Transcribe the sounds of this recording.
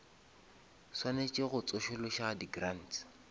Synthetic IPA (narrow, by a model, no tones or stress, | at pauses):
swanet͡ʃʼɪɣʊt͡sʼʊʃʊlʊʃadiɡran̩t